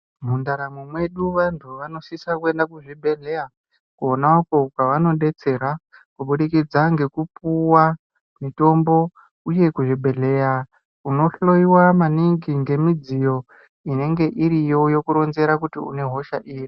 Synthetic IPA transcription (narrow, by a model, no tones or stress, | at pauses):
mundaɾamumwe̞ɗuʋantʰuʋano̞sisakue̞ndakuʐiɓʱe̞ɮe̞ja | kuonaukokaʋano̞ɗe̞t͡se̞ɾakuɓuɗikid͡zaŋɡe̞kupuwa | mito̞mbo̞ | uje̞kuʐiɓʱe̞ɮe̞ja | uno̞ɬo̞iwamaniŋɡiŋɡe̞mid͡zijo̞ | ine̞ŋɡe̞ʔiɾijo̞jo̞kuɾo̞nze̞ɾakutiṵne̞ɦo̞ʃaʔiːri